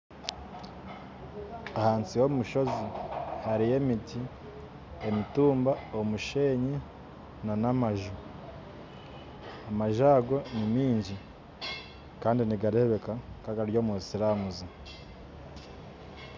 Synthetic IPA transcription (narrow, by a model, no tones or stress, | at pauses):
ahaːnsiwomuʃo̞zihaɾije̞miti | emituːmbaomuʃe̞ːɲi | nanamaʒu | amaʒaːɡo̞nimiːɲɟi | kaːndiniɡaɾe̞βe̞kakaɡaɾjo̞ːmusiɾamuzi